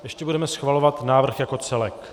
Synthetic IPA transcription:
jɛʃcɛbudɛmɛsxvalo̞vat̪naːvr̩xjako̞t͡sɛlɛk

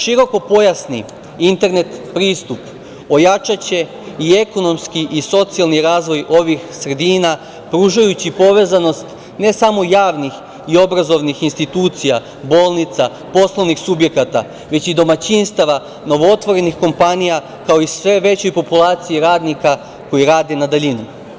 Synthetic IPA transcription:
ʃiɾo̞ko̞po̞jasni | int̪e̞ɾne̞t̪pɾiːst̪up | o̞jat͡ʃat͡ɕe̞ | ie̞ko̞no̞mskiʔiso̞t̪sijalniɾaːzʋo̞jo̞ʋixsɾe̞d̪iːna | pɾuːʒajut͡ɕipo̞ʋe̞ːzano̞st̪ | ne̞samo̞jaːʋnix | io̞bɾazo̞ʋnixinst̪it̪uːt̪sija | bo̞ːlˠnit̪sa | po̞slˠo̞ʋnixsubje̞kat̪a | ʋe̞t͡ɕid̪o̞mat͡ɕinst̪aʋa | no̞ʋoot̪ʋo̞ɾe̞nixko̞mpanija | kao̞isʋe̞ʋe̞t͡ɕo̞jpo̞pulˠaːt̪sijiɾaːd̪nika | ko̞jiɾaːd̪e̞nad̪aʎinu

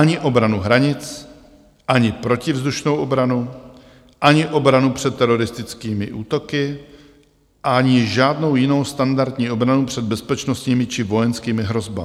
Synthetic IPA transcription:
aɲɪʔo̞bɾanuɦɾaɲɪt͡s | ʔaɲɪpɾo̞cɪvzd̪uʃno̞wʔobɾanu | ʔaɲɪʔo̞bɾanupr̝̥ɛt̪ːɛɾo̞ɾɪst̪ɪt͡skiːmɪ̰ʔuːt̪o̞kɪ | ʔaɲɪʒaːdno̞wjɪno̞wst̪andaɾd̪ɲiːʔo̞bɾanupr̝̥ɛd̪̚bɛspɛt͡ʃno̞st̪ɲiːmɪt͡ʃɪvo̞jɛnskiːmɪɦɾo̞zbaɪ

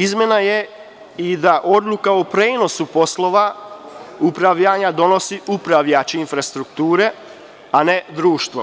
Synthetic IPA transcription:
izmje̞naje | id̪aʔo̞d̪lukaopɾeːno̞supo̞slˠoʋa | upɾaʋʎaːɲad̪o̞no̞siʔupɾaʋʎat͡ɕeinfɾast̪ɾukt̪uːɾe̞ | ane̞d̪ɾuːʃt̪ʋo̞̰

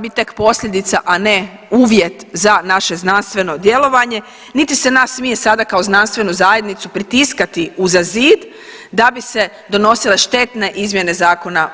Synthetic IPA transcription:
bit̪e̞kpo̞sʎʲed̪it̪saʔane̞ | uːʋje̞t̪zanaʃe̞znanst̪ʋe̞no̞d̪je̞lo̞ʋaɲe̞ | nit̪ise̞nasmije̞sad̪akaoznanst̪ʋe̞nuzaːje̞d̪nit̪supɾit̪iskat̪iuzaziːd̪ | d̪abise̞ | d̪o̞no̞sile̞ʃt̪e̞t̪ne̞ʔizmje̞ne̞zaːko̞na

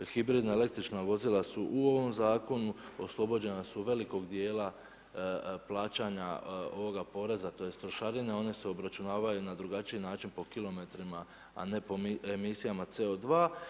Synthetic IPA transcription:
xibɾiːd̪nae̞le̞kt̪ɾit͡ʃnaʋo̞zilasuʔuo̞ʋo̞mzaːko̞nuo̞slˠo̞bo̞d͡ʑe̞nasuʋe̞liko̞ɡd̪je̞ːla | plˠaːt͡ɕaɲa̰o̞̰ʋo̞ɡapo̞ɾe̞zat̪o̞jest̪ɾo̞ʃaɾine̞o̞ne̞seo̞bɾat͡ʃunaːʋajunad̪ɾuɡat͡ʃiinaːt͡ʃinpo̞kilo̞me̞t̪ɾima̰ː | ne̞poemisijamat̪se̞o̞d̪ʋaː

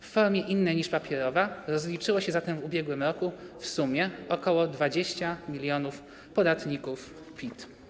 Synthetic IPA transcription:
fːɔɾmʲjɛʔinːɛjɲiʂpapʲjɛɾɔvaɾɔzlʲit͡ʂɘwɔɕɛzat̪ɛmvubʲjɛɡwɘmɾɔkufsumʲjɛɔkɔwɔd̪vad͡ʑeɕt͡ɕamʲilʲjɔnuf | pɔd̪at̪ɲikuf | pʲit̪

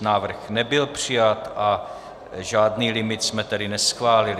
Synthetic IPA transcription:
naːvr̩xnɛbɪlpr̝̥ɪjat̪ʔa | ʒaːdniːlɪmɪt̪smɛt̪ɛdɪnɛsxvaːlɪlɪ

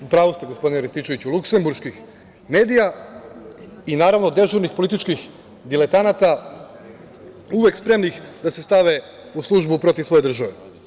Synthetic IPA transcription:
upɾaːʋust̪eɡosp̞d̪ineɾest̪it͡ʃe̞ʋit͡ɕulˠukse̞mbuɾʃkix | me̞ːd̪ija | inaːɾaʋnod̪e̞ʒuɾnixpolit̪it͡ʃkix | d̪ilet̪anat̪a | uʋe̞kspɾe̞mnixd̪ase̞st̪aʋe̞ | uslˠuʒbupɾo̞t̪iʋsʋo̞je̞d̪r̩ʒaʋe

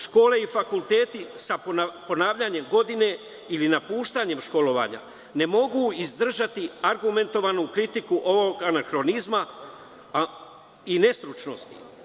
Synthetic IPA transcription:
ʃko̞ːle̞ifakulˠt̪e̞ːt̪isapo̞naːʋʎaɲe̞mɡo̞d̪ine̞ | ilinapuːʃt̪aɲe̞mʃko̞lo̞ʋa̰ːɲa̰ | ne̞mo̞ɡuizd̪r̩ʒat̪iaɾɡume̞nt̪o̞ʋanukɾit̪ikuʔo̞ʋo̞ɡanaxɾo̞nizma | ine̞st̪ɾut͡ʃnost̪ḭ

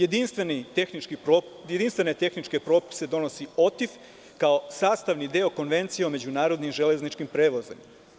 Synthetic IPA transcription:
jed̪inst̪ʋeniexnit͡ʃkiɾojed̪inst̪ʋe̞ne̞t̪e̞xnit͡ʃke̞pɾo̞ːpi̥se̞d̪o̞nosio̞t̪if | kao̞saːst̪aʋnid̪e̞o̞ko̞nʋe̞nt̪sijeome̞d͡ʑunaːɾo̞d̪nimʒele̞znit͡ʃkimpɾeːʋozḛm

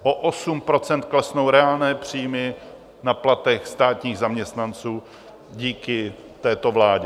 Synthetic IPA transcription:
ʔoʔosumpɾo̞t͡sɛnt̪klɛsnowɾɛaːlnɛːpr̝̥iːjmɪ | naplat̪ɛxst̪aːt̪ɲiːɣzamɲɛst̪nant͡suː | ɟiːkɪ | t̪ɛːt̪o̞vlaːɟɛ

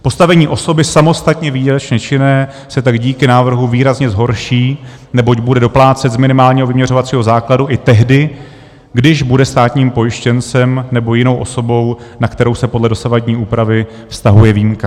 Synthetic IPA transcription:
po̞st̪avɛɲiːʔo̞so̞bɪsamo̞st̪at̪ɲɛviːɾat͡ʃɲɛt͡ʃɪnɛː | sɛt̪aɡɟiːkɪnaːvr̩ɦuviːɾazɲɛzɦo̞ɾʃiː | nɛbo̞cbudɛdo̞plaːt͡sɛt̪zmɪnɪmaːlɲiɦo̞vɪmɲɛr̝o̞vat͡siːɦo̞zaːkladuʔɪt̪ɛɦdɪ | ɡdɪʒbudɛst̪aːt̪ɲiːmpo̞jɪʃcɛnt͡sɛmnɛbo̞jɪno̞wʔo̞so̞bo̞wnakt̪ɛɾo̞wsɛpodlɛdo̞savaɟɲiːʔuːpɾavɪ | fst̪aɦujɛviːmka

